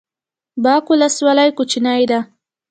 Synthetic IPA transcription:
bɑkulaswalajkut͡ʃinajd̪a

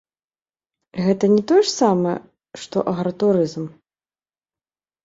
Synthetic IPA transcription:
ɣɛt̪ɐnʲɛt̪ɔjɛʂsamɐɛ̰ | ʂt̪ɔ̰ʔɐɣɾɐt̪uɾɨzm

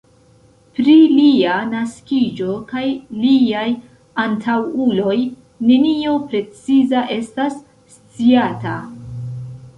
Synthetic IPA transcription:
pɾilianaskʲid͡ʒo̞kajliaj | antʰawulo̞j | ne̞nio̞pɾe̞t͡sizaʔe̞stasː | t͡siata̰

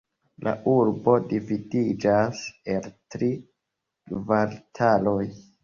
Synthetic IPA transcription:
lʔa̰ʔuɾbo̞dividid͡ʒaseltɾi | kvaɾtʰalo̞j

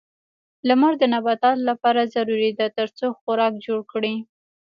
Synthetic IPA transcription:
lamaɾd̪ənabat̪ɑllapɑɾazaɾuɾid̪at̪əɾt͡soxʊɾɑkd͡ʒoɽkɽi

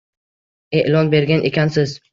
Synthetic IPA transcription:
e̞ʔlɒnbe̞ɾɡʲanʔekʲʰansɪz

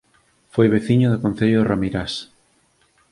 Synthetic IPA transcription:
fojβeθiɲoðokõn̟θeʎoramiɾas

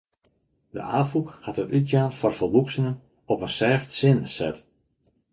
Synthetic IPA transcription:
də̰ʔaːfukhatətytjaːnfɔrfəlˠʋuksənən | ɔpənsɛːftsɪnsɛ̰t

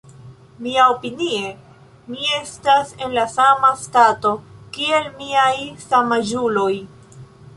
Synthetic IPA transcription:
miaopinie̞ | mie̞stase̞nlasamastato̞kie̞lmiajsamad͡ʒulo̞j

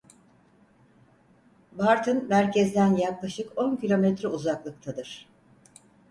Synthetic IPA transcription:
baɾt̪ʰɯnmæɾcʰɛzd̪ænjaklˠaʃɯko̞ncʰilʲo̞mɛt̪ɾɛuzaklˠɯk̚t̪ʰad̪ɯɾ̥

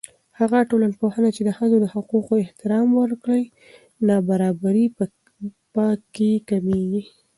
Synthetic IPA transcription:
haɣaʈolanpohənat͡ʃed̪əxəzod̪əhʊquqoɪht̪ɪɾɑmwəɾkɽəj | nɑbaɾɑbaɾi | pɑkːekameɡi

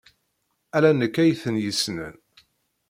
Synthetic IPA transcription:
ælænəkːæjθənjəsnə̰n

